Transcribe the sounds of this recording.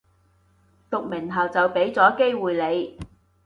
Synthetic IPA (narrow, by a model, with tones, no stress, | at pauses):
t̪ʊ˨k̚mɪ˨˩ŋɦɐ˨˩wt͡sɐ˨wpe˨˥jt͡sɔː˨˥ke˥jwuː˨jle˨˧j